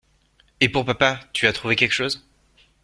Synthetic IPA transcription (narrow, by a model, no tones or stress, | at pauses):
epuʁpapat̪yat̪χuvekʲɛlkʃoːz